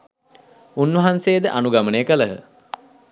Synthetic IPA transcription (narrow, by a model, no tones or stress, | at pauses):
unʋɐɦansejːd̪əʔanuɡamənəjəkələɦə̰